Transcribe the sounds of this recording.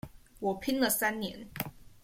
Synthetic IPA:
wɔ˨˩pʰi˥ŋlə˨sa˥nnjɛ̰˧˥˦n

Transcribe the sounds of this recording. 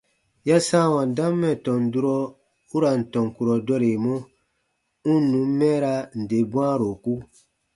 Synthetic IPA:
ja˦sãː˦wã˨n˨dã˦mːɛ˨tɔ̃˨n˨du˦ɾɔ˦ | u˦ɾa˨n̩˨tɔ̃˨ŋ˨ku˨ɾɔ˨dɔ˦ɾe˨mɔ̃˦ | ũ˦nũ˨˦m˦mɛ̃ː˦ɾa˧n̩˨de˨bw̃ãː˦ɾo˨ku˦

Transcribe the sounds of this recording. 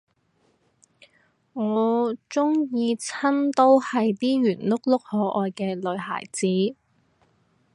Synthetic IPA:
ŋɔː˨˧t͡sʊ˥ŋjiː˧t͡sʰɐ˥nt̪o˥whɐ˨jt̪iː˥ɥyː˨˩nlʊ˥k̚lʊ˥k̚hɔː˨˥ʔɔː˨˧jkɛː˧lɵ˨˧ɥɦa̰ː˨˩jt͡siː˨˥

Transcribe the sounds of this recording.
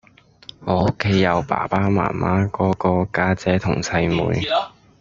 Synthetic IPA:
ŋɔː˨˧o˥kʰːe˨˥jjːɐ˨˧wpa̰ː˨˩paː˥ma̰ː˨˩mʔa̰ː˨˥kɔː˨˥kɔː˧kaː˧t͡sɛː˨˥t̪ʰʊ̰˨˩ŋsɐ˧jmṵː˨˧j

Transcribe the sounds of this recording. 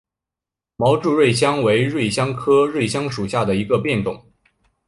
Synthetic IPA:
mɑ˧˥ʊʈ͡ʂu˥˧ɻwe˥˩ɪɕ̬jɑ˥ŋwe˧˥ɪɻwe˥˩ɪɕjɑ˥ŋkʰɤ˥ɻwe˥˩ɪɕjɑ˥ŋʂu˨˩ɕja˥˩d̪ə˩i˧˥ɡə˧pjɛ˥˩nt̪ʊ̰˨˩˦ŋ

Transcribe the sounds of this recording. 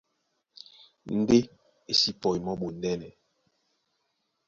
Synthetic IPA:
n̩˦de˦ | e˨si˦pɔ˨i˨mɔ˦ɓo˨n˦dɛ˦nɛ˨

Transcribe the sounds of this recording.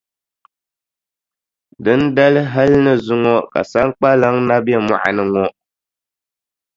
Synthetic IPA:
dɨ˦n̩˦da˦lɨ˦ɦa˦lnɨ˦zʊ˦ŋɔ˦ka̰˨sa˦ŋ˦k͡pa˦la˨˦ŋna˦bɛ˦ma̰˨ʔa̰˨nɨ˦ŋɔ˦

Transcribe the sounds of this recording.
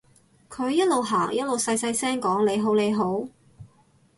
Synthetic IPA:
kʰɵ˨˧ɥjɐ˥t̚lo˨wɦaː˨˩ŋjɐ˥t̚lo˨wsɐ˧jsɐ˧jsɛː˥ŋkɔː˨˥ŋle˨˧jɦo˨˥wle˨˧jɦo˨˥w

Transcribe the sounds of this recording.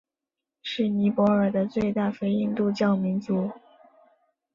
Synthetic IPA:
ʂɻ̩˥˩ni˧˥pwɔ˧˥ə˞˨˩d̪ə˦t͡swe˥˧ɪt̪a˥˩fe˥ɪi˥˧nt̪u˥˧t͡ɕjɑ˥˩ʊmi˧˥nt͡su˧˥

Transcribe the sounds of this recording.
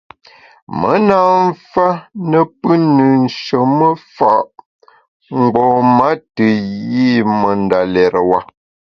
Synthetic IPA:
mə˨˦na˦˨ɱ̩˦fa˦nə˦pə˦nɨ˨n̩˨ʃə˨mə˦fa˨ʔ | ŋ̩˨˦ɡ͡bɔ˨ma˨˦tə˨ji˦˨mə˨n˦da˨lɛ˨ɾwa˦

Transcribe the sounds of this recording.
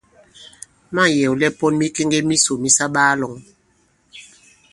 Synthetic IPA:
ma˦˨jɛ˨wlɛ˦pɔ˦nmi˦ke˦ŋɡe˦mi˦so˨mi˦sa˦ɓaː˦lɔ˨˦ŋ

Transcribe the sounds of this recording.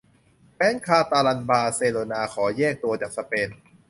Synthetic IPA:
pɛː˦˥nkʰaː˧t̪aː˧la˧nbaː˧seː˧loː˧naː˧kʰɔː˩˦jɛː˥˩k̚t̪u˧ɐt͡ɕaː˨˩k̚sa˧peː˧n

